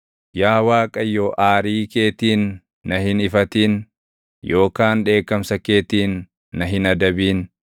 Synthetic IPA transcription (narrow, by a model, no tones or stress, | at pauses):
jaːwaːkʼɐjːoːʔaːɾiːke̞ːt̪iːnː | ɐɦɪnɪfɐt̪iːn | jo̞ːkaːnᶑe̞ːkːɐmsɐke̞ːt̪iːnː | ɐɦɪnɐd̪ɐbiːn